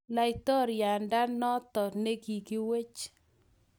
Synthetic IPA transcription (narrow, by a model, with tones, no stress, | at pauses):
la˨ɪ˨t̪ɔ˦ɾja˨nda˦nːɔ˦t̪ɔ˨ɾne˦ɡi˨kɪ˦we˦t͡ʃ